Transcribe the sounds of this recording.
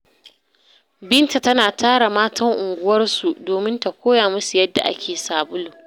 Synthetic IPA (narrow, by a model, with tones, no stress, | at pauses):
bɪ˦nta˨tɐ˦naː˨tʰaː˦ɽa˨maː˦tʰɐ˦ŋʔʊ˨ŋɡʷʊ˦wɐ˦rsu˨doː˨mɪ˦nta˨kʷoː˦jaː˨mʊ˦su˨jɐ˦dːa̰˨ʔa̰˦kʲeː˨saː˨bʊ˦lo˨